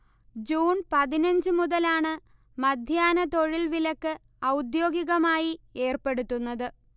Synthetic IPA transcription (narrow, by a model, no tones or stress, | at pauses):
d͡ʑuːnpɐðinɐɲd͡ʑɨmuðɐlaːɳɨ | mɐd̪ʱjaːnɐt̪o̞ɻilʋilɐkːɨ | ɐwd̪jo̞ːɡiɣɐmaːjieːrpe̞ɽut̪ːunːɐðɨ